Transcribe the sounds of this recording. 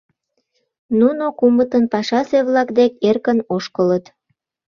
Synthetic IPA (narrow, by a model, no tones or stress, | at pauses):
nunokumət̪ənpɑʃɑseβlɑkd̪ek̚erkənoʃkələt̪